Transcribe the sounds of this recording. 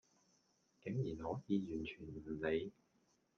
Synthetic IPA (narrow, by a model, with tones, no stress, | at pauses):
kɪ˨˥ŋjiː˨˩nhɔː˨˥jiː˨˧jyː˨˩nt͡ʃʰyː˨˩nm̩˨˩le˨˧j